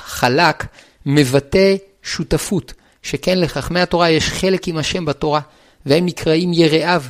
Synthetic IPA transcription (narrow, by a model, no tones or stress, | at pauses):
χalak | me̞vate̞ | ʃutafut | ʃeke̞nle̞χaχmehato̞ʁajeʃχe̞le̞kimhaʃe̞mbato̞ʁa | vehemnikʁaimje̞ʁeʔav